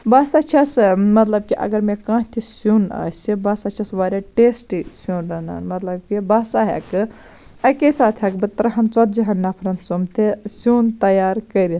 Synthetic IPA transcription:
basat͡ʃʰɐsmɐt̪lɐb̚kiʔɐ̰ɡɐɾmekãːt̪ʰisunɐ̰sibɐsat͡ʃʰɐsʋaɾʲaʈesʈisunɾɐna̰ːnmɐt̪lɐb̚kibasaɦḛkɨ | ɐkesaːt̪ʰɦɐkbɨt̪ɾɐɦɐnt͡sɔt̪̚d͡ʒiɦɐnːapʰɾɐnt̪somt̪ʰesunt̪ɐjaːɾkɐɾi

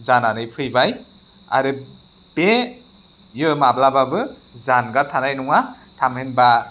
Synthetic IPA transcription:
zananɯjpʰɯjbaj | a̰ɾɯ | b̥e | jɯmablababɯ | zanɡaɾtʰanajnuŋa | tʰamhenba

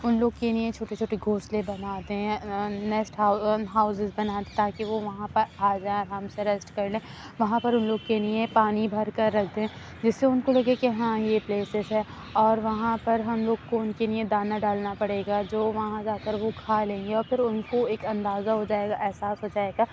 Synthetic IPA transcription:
ʊnloːɡkelɪjẽt͡ʃʰoːʈet͡ʃʰoːʈeɡʱoːslẽbɐnaːt̪eɦɛ̃nɛsʈɦʊɦaːʊsɪzbɐnaːt̪et̪aːkiʋoʋɐɦãpɐɾaːd͡ʒaːẽɔːɾɦɐmseɾɛsʈkɐɾlẽː | ʋɐɦãpɐɾʊnloːɡ̚kelijẽpaːnibʱɐɾkɐɾːɐkʰt̪eɦɛ̃ | d͡ʒɪsːeʊnkolɐɡekeɦãjepleːsɪzɦɛ | ɔːɾʋɐɦãpɐɾɦɐmloːɡkoʊnkelɪiẽd̪aːnaɖaːlnapɐɽeːɡad͡ʒoːʋɐɦãd͡ʒaːkəɾʋokʰaːlẽːŋɡeɔːɾfɪɾʊnkoeːkɐ̃nd̪aːzaɦod͡ʒaːeːɡaʔɛɦsaːsɦoːd͡ʒaːeːɡaː

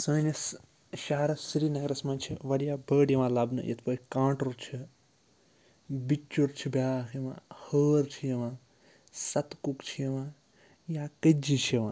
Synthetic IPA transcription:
səːnɐs | ʃaːɾɐsɾinɐɡɾɐsmãːt͡ʃʰiʋɐɾijaːbəːɖjɐʋãːlɐbnɐ̰jɐ̰t̪ʰpəːkãːʈɐɾt͡ʃʰi | bit͡ʃːuɾt͡ʃʰibjaːkʰjɐmã̰həːɾt͡ʃʰijɐʋãː | sɐt̪kukt͡ʃʰijɐʋãː | jaːkəd͡ʒit͡ʃʰiʋã̰ː

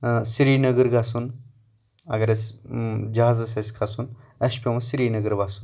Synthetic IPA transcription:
siɾiːnɐɡɐɾɡasun | ɐ̰ɡɐɾɐsd͡ʒɐɦaːzɐsesʲkʰasun | ɐʃpʲemɐ̃siɾiːnɐɡɐɾbasun

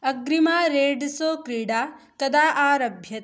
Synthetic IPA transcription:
ɐɡɾimaːɾeːɖsoːkɾiːɽaː | kɐd̪aːʔaːɾɐbʱjɐt̪

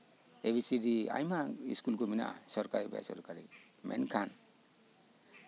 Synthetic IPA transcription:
ebisiɾia̰jmaiskulkomina̰ʔsɔɾkaɾiba̰sɔ̰ɾkaɾi | mḛnkʰan

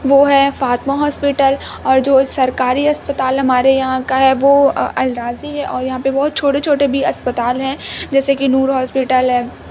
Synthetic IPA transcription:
ʋoɦɛfaːt̪maɦɔːspɪʈəl | ɔːɾd͡ʒoːsɐɾkaːɾiɐspət̪aːlɦɐmaːɾejɐɦãkaɦɛʋoɐlɾaːziɦɛʔɔːɾjɐɦãpebɔːt̪̚t͡ʃʰoːʈet͡ʃʰoːʈebʱiɐspət̪aːlɦɛ̃d͡ʒɛːsekinuːɾɦɔːspɪʈəlɦɛ

